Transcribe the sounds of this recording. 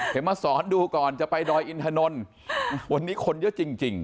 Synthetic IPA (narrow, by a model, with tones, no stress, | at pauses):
e˨˩˦maː˧sɔː˩˦nduː˧kɔː˨˩nt͡ɕa˨˩pa˧jdɔː˧jʔi˧nt̪ʰaː˧no˧n | wa˧nːiː˦˥kʰo˧njə˦˥ʔt͡ɕi˧ŋt͡ɕi˨˧ŋ